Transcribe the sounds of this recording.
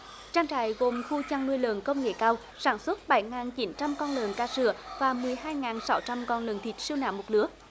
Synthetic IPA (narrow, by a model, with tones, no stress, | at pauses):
t͡ɕaː˧ŋt͡ɕa̰ː˧˨jɣo˨˩mxu˧t͡ɕa˧ŋnu˧əjlə̰˨˩nkə˧wŋ͡mŋḛ˧˩kaː˧w | saː˧˩nswə˦˥t̚ɓə˧˩jŋaː˨˩nt͡ɕi˨˦nt͡ɕa˧mkɔ˧nlə˨˩nkaː˧sɨ̰˧˩əvaː˨˩mɨ˨˩əjɦaː˧jŋaː˨˩nsa˨˦wt͡ɕa˧mkɔ˧nlə˨˩nt̪ʰi˨˩˥t̚si˧əwna̰ː˧˥wmo˨˩t̚lɨ˨˦˥ə